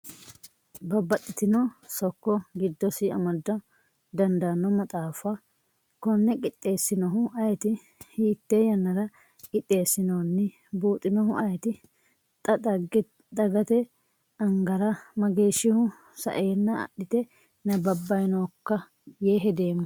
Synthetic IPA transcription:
bɐbːɐt̪ʼːɪt̪ɪnɔsɔkːɔɡɪd̪ːɔsɪɐ̰mɐd̪ːɔ | d̪ɐnd̪ɐnːɔmɐt̪ʼaːfɐ | kɔnːɛkʼɪt̪ʼːe̞ːsːɪnɔɦʊɐjɛt̪ɪ | hiːt̪ːeːjɐnːɐɾɐ | kʼɪt̪ʼːe̞ːsːɪnoːnːɪ | buːt̪ʼːɪnɔɦʊʔɐjɛt̪ɪ | t̪ʼɐd̪ɐɡɛ | d̪ɐɡɐt̪ɛ | ɐŋɡɐɾɐmɐɡe̞ːʃːɪhʊ | sɐ̰ʔeːnːɐɐ̰ɗːɪt̪ɛ | nɐbɐbːɐjnoːkːɐ | jeːɦɛd̪e̞ːmːʊ

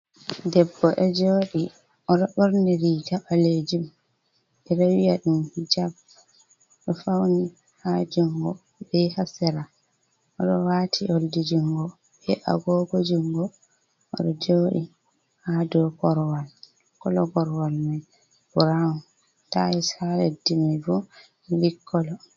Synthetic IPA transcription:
dɛbːɔʔɛd͡ʒoːɗi | ʔɔɗɔɓoɾniɾikaɓaled͡ʒum | ʔɛɗawijaɗumhid͡ʒab | ɗɔfawni | had͡ʒuŋɡɔ | bɛhasɛɾa | ʔɔɗɔwaːtʰioldid͡ʒuŋɡɔ | ɓɛʔa̰ɡɔɡɔd͡ʒuŋɡɔ | ʔɔ̰ɗɔd͡ʒoːɗḭ | hadɔɡɔɾwal | kɔlɔɡɔɾwalma | buɾa | ta̰isaledimɛfu | likʰːɔlɔ

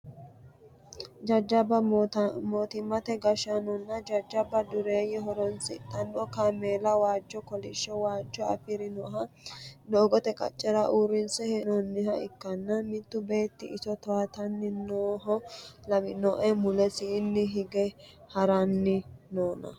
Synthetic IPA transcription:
d͡ʒɐd͡ʒɐbɐmoːt̪ɪmːɐt̪ɛɡɐʃɐnɔnːɐd͡ʒɐd͡ʒːɐbɐd̪ʊɾeːjɛɦɔɾɔnsɪt̪ʼːɐnɗɔkameːlɐwaːd͡ʒːɔkɔlɪʃːɛwaːd͡ʒːɔɐ̰fɪɾɪnɔɦɐ | noːɡɔt̪ɛkʼɐ̰t͡ʃʼːɛɾɐʔuɾɪnsɛhɛnɔnːɪɦɐɪkːɐnːɐmɪt̪ːʊbe̞ːt̪ːɪɪsɔt̪ɔwat̪ɐnːɪnoːɦɔlɐmɪnɔʔɛmʊlɛsiːnːɪɦɪɡɛ | hɐɾɐnːɪnoːnɐ̰

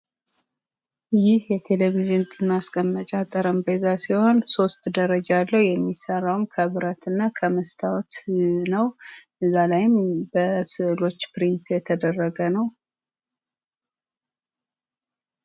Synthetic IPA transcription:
jɪhjɛt̪ʰe̞leβiʒɨnt̪ʼɨnːaskʼəmːət͡ʃʼat̪ʼəɾəmbəzasiho̞nso̞st̪d̪əɾəd͡ʒalːəwjɛmːisərːawmkʰəβɨɾat̪ʰɨnːakʰəməst̪ʰawt̪nəwʔɨzːalajɪmbəsɨʔlo̞t͡ʃːpɾint̪jɛt̪ʰəd̪ərːəɡənəw

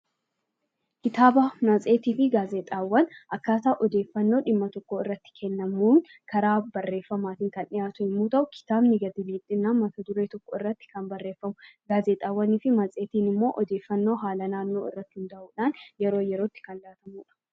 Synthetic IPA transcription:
kɪt̪aːbaːmɐt͡sʼe̞ːt̪iːfɪɡaːzeːt̪ʼaːwːɐnʔɐkːaːt̪aːʔɔd̪e̞ːfːɐnːo̞ːᶑɪmːɐt̪ɔkːoɪrːɐt̪ːɪ̥kʰɛnːɐmuːŋ | kʰɐɾaːbɐrːe̞ːfːɐmaːt̪ɪŋkɐnʔɪjaːt̪ʊɪmːuːt̪ɐʔʊkʰɪ̥t̪aːbnɪɡɐd̪ɪliːt̪ʼːɪnːaːnmɐt̪ɐd̪ʊɾe̞ːt̪ɔkːɔɪrːɐt̪ːɪ̥kɐmbɐrːeːfːɐmʊɡaːzeːt̪ʼaːwːɐniːfɪmɐt͡sʼe̞ːt̪iːnɪmːo̞ːʔɔd̪e̞ːfːɐnːo̞ːɦaːlɐnaːnːo̞ːɪ̰rːɐt̪ːɪhɪnd̪ɐʔuːᶑaːnjɛɾo̞ːjɛɾo̞ːt̪ːɪ̥kɐnlaːt̪ɐmuːᶑɐ̥

